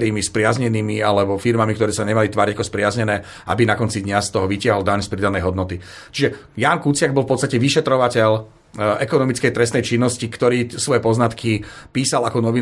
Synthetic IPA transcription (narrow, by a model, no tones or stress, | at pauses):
ɾiːmispɾɪazɲɛniːmialɛbɔfiɾmamikt̪ɔɾɛːsaɲɛmalit̪ʋaːɾiɟakɔspɾɪazɲɛnɛː | ʔa̰binakɔnt͡sid̪ɲast̪ɔɦɔʋicɪaɦɔlˠd̪aɲspɾid̪anɛjɦɔd̪nɔt̪i | t͡ʃiʒɛ | jaːnkut͡sɪaɡbɔlˠfpɔt̪st̪acɛʋiʃɛt̪ɾɔʋacɛʎ | ɛkɔnɔmit͡skɛjt̪ɾɛst̪nɛjt͡ʃinːɔscikt̪ɔɾiːsʋɔjɛpɔznat̪kʰipiːsalakɔnɔʋi